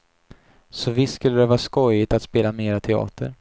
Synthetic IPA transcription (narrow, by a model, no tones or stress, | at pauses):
sɔvɪst̪ːskɵlːəd̪ɛvɑːskɔjɪt̪at̪speːlameːɾat̪ʰɛɑ̰ːt̪ʰə̰ɾ